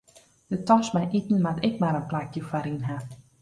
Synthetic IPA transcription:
dətɔsmɛjʔitn̩matɪk̚maɾənplakjəfaɾinɦa

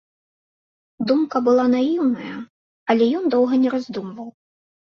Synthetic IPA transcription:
d̪umkɐbɨlˠanajiwnɐjɐ | ɐlʲɛjɔnd̪ɔwɣɐnʲɛɾazʲd̪umvɐw

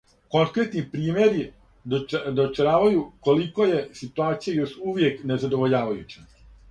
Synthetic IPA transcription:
ko̞ŋkɾe̞t̪nipɾiːmje̞ɾi | d̪ot͡ʃɾaːʋajuko̞liko̞je̞sit̪uaːt̪sijajo̞ʃuʋje̞kne̞zad̪o̞ʋo̞ʎaːʋajut͡ɕa

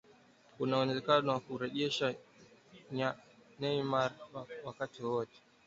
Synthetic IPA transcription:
unaɔnɛzɛkanɔwakuɾɛʄɛʃa | ɲanɛimaɾwwakatiwɔwɔtɛ̥

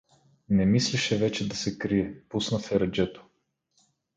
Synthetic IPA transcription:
nɛmislɛʃɛvɛt͡ʃɛd̪ɐsɛkɾiɛpusnɐfɛɾɐd͡ʒɛt̪o̥

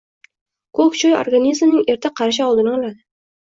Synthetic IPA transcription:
kʰokt͡ʃʰojo̰ɾɡanizmnɪŋe̞ɾt̪ʰɪqʰɑɾaʃ̬aɒlˠd̪ɪnaɒlad̪ɪ

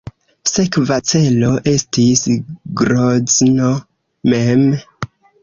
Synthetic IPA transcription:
se̞kvat͡se̞lo̞ʔe̞stisɡɾozno | mem

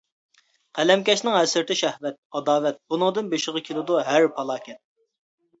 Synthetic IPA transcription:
qʰælɛmkʲɛʃnɪŋɦɛsɪɾt̪ɪʃɛhvɛt̪̚ɑd̪ɑːvɛt̪̚bunɨŋd̪ɨnbeʃɪʁɑkʲʰelˠɨd̪uɦæɾpʰɑlˠɑːkʲɛt̪̚

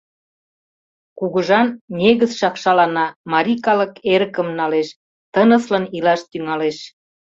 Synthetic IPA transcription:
kuɣəʒɑnnʲeɣəzʃɑkʃɑlɑnɑmɑɾʲikɑləkeɾəkə̆mnɑleʃ | t̪ənə̆slənilɑʃt̪yŋɑleʃ

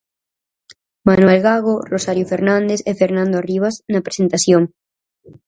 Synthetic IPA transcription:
manwelɣaɣ̞orosaɾjofeɾnãnd̪esefeɾnãnd̪oariβ̞aznɐpɾe̥sent̪aθjoŋ

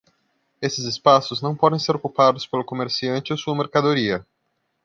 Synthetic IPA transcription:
esɪzɪspasʊznɐ̃w̃pɔd̪ẽj̃seɾokupad̪ʊspelʊkomeɾsiɐ̃nt͡ʃɪosuɐmeɾkad̪oɾiɐ

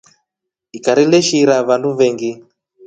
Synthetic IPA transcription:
ikaɾilɛʃiɾaβanduβɛŋɡi

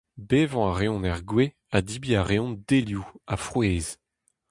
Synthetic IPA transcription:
beːvɑ̃aʁeɔ̃nɛʁɡwe | ad̪ibiaʁeɔ̃nd̪eljuafχweːz

